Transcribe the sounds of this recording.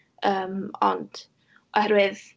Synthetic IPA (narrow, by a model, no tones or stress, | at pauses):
əːmɔ̰nd̥ | ɔhɛɾwɪð